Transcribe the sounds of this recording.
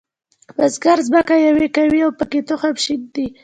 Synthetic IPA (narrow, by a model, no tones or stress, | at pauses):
bazɡaɾzbakajawekawiawpəket̪oxapʃid̪̚d̪i